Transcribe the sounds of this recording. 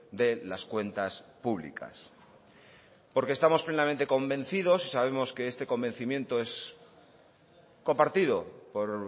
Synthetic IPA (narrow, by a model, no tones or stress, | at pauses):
d̪e̞laskwe̞nt̪aspuβlḭka̰s | po̞ɾkest̪amo̞sple̞nament̪e̞ko̞mbẽ̞n̟θiðo̞sisaβe̞mo̞ske̞est̪e̞ko̞mbe̞n̟θimjẽ̞nt̪o̞e̞s | ko̞mpaɾt̪ið̞o̞po̞ɾ